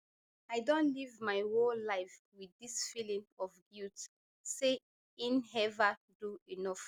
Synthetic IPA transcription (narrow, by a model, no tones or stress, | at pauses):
aɪdõntlivmaɪwolaɪf | wiisfilĩmɔfɡiult | se | ĩnɦɛva | duinɔf